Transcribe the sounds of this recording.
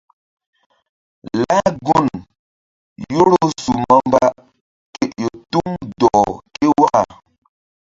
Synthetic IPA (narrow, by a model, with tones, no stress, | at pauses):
la˦ɡu˦˨n | jo˦lo˦su˨ma˦m˦ba˦ | ke˦ʔjo˨tu˦ŋdɔ˨ke˦wa˦ʔa̰˨